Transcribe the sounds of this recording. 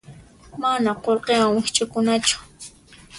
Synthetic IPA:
manaqolqewaŋwɪxt͡ʃʼʊkʊnat͡ʃʊ̥

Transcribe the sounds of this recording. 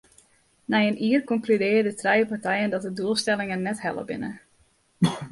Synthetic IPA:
nɛjəniːərkɔŋklydɪːədətrɛjəpartɛjəndɔt̚dəduəlˠstɛlˠɪŋənːɛthɛ̰lˠə̰bɪ̰nə̰

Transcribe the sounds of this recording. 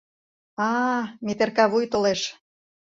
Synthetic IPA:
ɑmet̪erkɑβujt̪oleʃ

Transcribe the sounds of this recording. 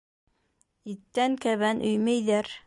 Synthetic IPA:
it̪ːæŋkæβænʔɵjmæjðæɾ

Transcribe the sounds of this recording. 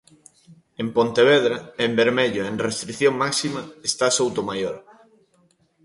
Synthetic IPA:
empont̪eβ̞eð̞ɾaembeɾmeʎoenrest̪ɾiθjoŋmaksimaest̪asowt̪omajoɾ

